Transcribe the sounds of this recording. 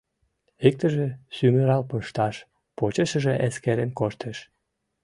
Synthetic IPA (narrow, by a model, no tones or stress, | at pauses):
ik̚t̪əʒesyməɾɑlpəʃt̪ɑʃ | pot͡ɕəʃə̆ʒeʔeskeɾenkoʃt̪eʃ